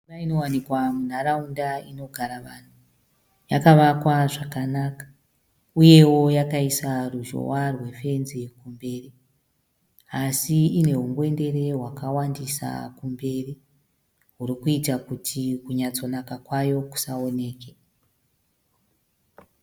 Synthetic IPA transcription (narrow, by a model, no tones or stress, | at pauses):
imaino̞wanikwamun̤aɾaundaino̞ɡʱaɾaʋan̤u | jakaʋakwaʐakanakḁ | uje̞wo̞jakaisaruʒo̰warwe̞fe̞nzikumbe̞ːri | asiine̞ɦuŋɡwe̞nde̞re̞ɦwakawandisa̰kumbe̞ri | ɦuɾikuitakutʰikuɲat͡so̞nakakwajo̞ku̥sao̞ne̞ːke